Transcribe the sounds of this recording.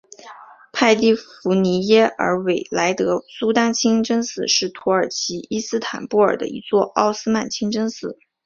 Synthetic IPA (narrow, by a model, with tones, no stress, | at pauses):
pʰa˥˧ɪt̪i˥˩fu˧˥ni˧˥jɛ˥ə̰˞˧˥we˨˩ɪla˧˥ɪt̪ɤ˧˥su˥t̪a˥nt͡ɕʰi˥ŋʈ͡ʂɤ˥ŋsɹ̩˨˩ʂɻ̩˥˩t̪ʰu˧˥ə˞˨˩t͡ɕʰi˧˥i˥sɹ̩˥t̪ʰa̰˨˩npu˥˩ə˞˨˩d̪ə̰˦ḭ˧˥t͡swɔ˥˧˩ʔɑ˥˩ʊsɹ̩˥ma˨˩nt͡ɕʰi˥ŋʈ͡ʂɤ˥ŋsɹ̩˨˩